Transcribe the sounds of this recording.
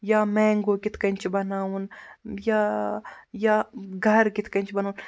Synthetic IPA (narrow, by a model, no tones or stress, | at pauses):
jaːmɛ̃ːŋɡokɪt̪ʰkɐnt͡ʃʰbɐnaːunjaː | jaɡʱɐɾkɪt̪ʰkɐnʲt͡ʃʰbɐnuːn